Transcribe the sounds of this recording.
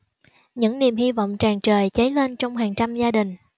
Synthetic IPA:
ɲɨ̰˧˥ŋni˨˩mhi˧vɔ̰˧˨wŋ͡mt͡ɕaː˨˩ŋt͡ɕəː˨˩jt͡ɕə˨˦jle˧nt͡ɕɔ˧wŋ͡mhaː˨˩ŋt͡ɕa˧mzaː˧ɗï˨˩ŋ̟

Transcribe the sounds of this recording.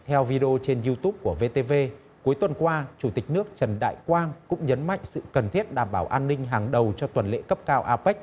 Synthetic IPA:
t̪ʰɛ˧wvi˧ɗi˧o˧t͡ɕe˧nzu˧t̪u˦˥p̚ku˧˩əve˧t̪e˧ve˧ | ku˨˦jt̪wə˨˩nkwaː˧t͡ɕu˧˩t̪ï˨˩k̟̚nɨ˦˥ək̚t͡ɕə˨˩nɗa̰ː˧˨jkwaː˧nkʊ̰˧˥ŋ͡mɲə˨˦nma̰˧˨jŋ̟sɨ̰˧˨kə˨˩nt̪ʰi˦˥ət̚ɗaː˧˩mɓaː˧˩wʔaː˧nːï˧ŋ̟ɦaː˨˩ŋɗə˨˩wt͡ɕɔ˧t̪wə˨˩nlḛ˧˥kə˦˥p̚kaː˧wʔaː˧pɛ˦˥k̟̚

